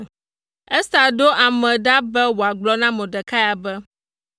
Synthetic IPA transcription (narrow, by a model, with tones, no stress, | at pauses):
ɛ˦sa˨ɖo˦ʔa˨mɛ̃˨ɖa˦bɛ˦wo˨a˨ɡ͡blɔ˦nã˦mɛ̃˨ɖɛ˨ka˦ja˨bɛ˦